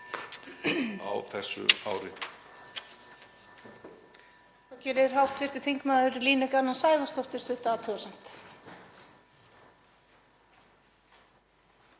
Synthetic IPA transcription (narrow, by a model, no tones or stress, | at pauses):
a̰wθɛsːʏ̰a̰ːwɾɪ | θawcɛːɾɪɾ̥ɦawht̪ʰvɪr̥t̪ʏ̥θiŋkmaːðʏɾliːnʏkanːansaːjvast̪owht̪ɪ̥st̪ʏht̪aːt̪ʰœːsam̥t̪